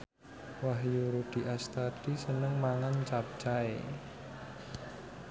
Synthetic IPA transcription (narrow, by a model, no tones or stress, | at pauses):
waɦjuɾud̪̥i̤ʔast̪ad̪̥isənəŋmaŋant͡ʃap̚t͡ʃae